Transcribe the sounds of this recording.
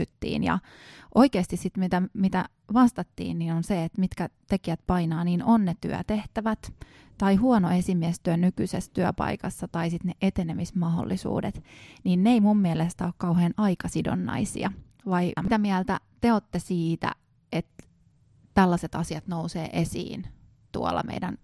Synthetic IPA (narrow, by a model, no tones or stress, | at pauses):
yt̪ːḭːnjɑ̰ | ʔoikeːst̪issit̪mit̪æmit̪æ | ʋɑst̪ɑt̪ːḭːnniːnonseet̪mit̪kæt̪ekiæt̪pɑinɑːniːnonnet̪yœ̰t̪e̞ht̪æʋæt̪ | t̪ɑihuonoe̞simiæst̪yænykysest̪yæpɑ̰ikɑsːɑt̪ɑisit̪neʔet̪enemismɑɦo̰lːisṵːdet̪niːnneimumːiælest̪æoːkkɑuheːnɑikɑsido̰nːɑ̰isḭɑ̰ | ʋɑimit̪æmiælt̪æt̪eot̪ːesiːt̪æ̰ | et̪ | t̪ælːæset̪ɑsiɑt̪nousḛːʔesḭːn | t̪ṵo̰lːɑ̰mḛidæ̰n